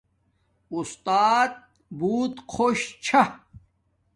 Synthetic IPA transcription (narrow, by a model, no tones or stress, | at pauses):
ust̪aːt̪̚ | buːt̪kʰoɕt͡ɕʰa